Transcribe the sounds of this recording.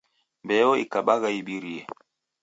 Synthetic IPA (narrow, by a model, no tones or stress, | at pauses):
mbɛɔḭkaɓaɣaiɓiɾiɛ̰